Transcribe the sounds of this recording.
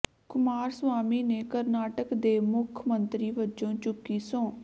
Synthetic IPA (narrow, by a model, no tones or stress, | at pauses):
kʊmaːɾsʋaːmiːneːkəɾnaːʈəkd̪eːmʊkʰmənt̪ɾiːʋət͡ʃõːt͡ʃʊkːiːsõː